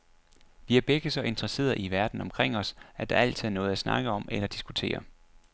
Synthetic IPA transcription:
ʋiæɐb̥eɡ̥əsɒ̽ʔe̝nd̥ʁɐse̝̰ːðɐʔiʋæɐd̥n̩ɒ̽mkʰʁeŋ̰ɒ̽sæɐd̥ɑ̈æl̰t͡sʰiðˠnɔ̽ːð̞̩ˠæsnɑ̈ɡ̥əɒ̽melɐd̥isɡ̥ut͡sʰe̝̰ːɐ

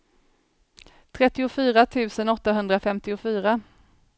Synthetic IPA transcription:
t̪ʰɾɛt̪ːɪʊfyːɾat̪ʰʉ̟ːsənɔt̪ːaɦɵnd̪ɾafɛmt̪ɪʊfyːɾa

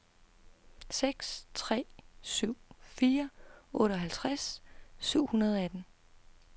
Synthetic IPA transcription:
seɡ̥st͡sʰʁɛ̰ːsyʊ̰fiːɐɔ̽ːɾəɒ̽ɦælt͡sʰʁassyʊ̰hunɐð̞ˠɒ̽æd̥n̩

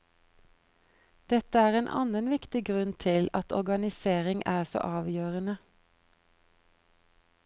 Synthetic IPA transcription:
d̪̥ɛt̪əæːʁeːnʔɑ̰nənʋɪkt̪ɪɡʁʉnt̪ʰɪlɑt̪ɔ̰ʁɡɑnɪseːʁɪŋʔæːso̰ːʔɑːʋjøːʁənə

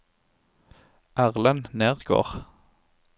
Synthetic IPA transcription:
ʔæʁlənneːʁɡ̥o̰ːʁ

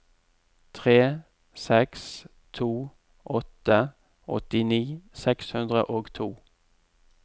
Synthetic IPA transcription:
t̪ʰʁeː | sɛks | t̪ʰuː | ʔɔt̪ə | ɔ̰t̪ɪniːsɛkshʉnd̪ʁə̰ʔoːɡt̪ʰuː

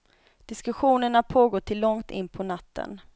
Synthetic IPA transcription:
d̪̥ɪskɵɧuːnəɳapʰoːɡoːʈʰɪlːɔŋt̪ɪ̰nːpʰɔnat̪ːə̰n

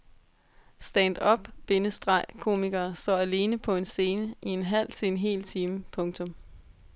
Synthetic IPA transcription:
sd̥ænd̥ɒ̽b̥b̥e̝nəsd̥ʁɑ̈ɪ̰kʰo̝̰ːmeɡ̥ɐːsd̥ɒ̰ːæle̝ːnəpʰɒ̽e̝nse̝ːnəie̝nɦæl̰t͡sʰe̝le̝nɦe̝̰ːlt͡sʰiːməpʰɔ̽ŋt͡sʰɔ̽m

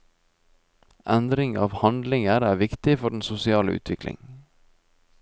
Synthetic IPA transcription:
ʔænd̪ɾɪŋɑ̰ːʋhɑnd̪lɪŋəɾæːɾʋɪkt̪ɪfɔɖɳ̩sʊsɪɑːlə̰ʉ̰ːt̪ʰʋɪklɪ̰ŋ

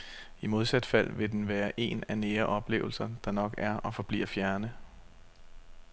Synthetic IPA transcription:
imo̝ð̞ˠsæd̥fæl̰ʋe̝d̥enʋæːɐʔe̝næneːɐʔɒ̽b̥le̝̰ːʊl̩sɐd̥ɑ̈nɒ̽ɡ̥æɐʔɒ̽fɒ̽b̥lḭːɐfjæɐnə

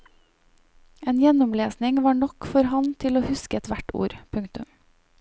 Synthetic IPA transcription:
eːnjɛnʊmleːsnɪŋʋɑːɳɔkfɔɾhɑnt̪ʰɪloːhʉskəɛt̪ʋæʈṵːɾpʰʉŋkt̪ʉm

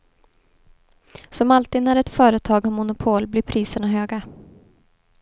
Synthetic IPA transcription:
sɔmalt̪iːd̪næɾɛt̪fœːɾət̪ʰɑːɡɔmʊnʊpʰoːlblɪɾpʰɾiːsəɳaɦøːɡa

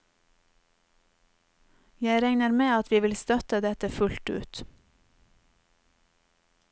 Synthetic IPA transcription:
jæɪɾɛŋnəɾmeːɑt̪ʰʋiːʋɪlst̪œt̪əd̪ɛt̪əfʉlt̪ʉ̰ːt̪

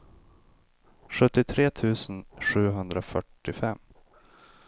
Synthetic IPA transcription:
ɧɵt̪ːɪt̪ʰɾeːt̪ʰʉ̟ːsənʂʉ̟ːɦɵnd̪ɾafœʈːɪfɛmː

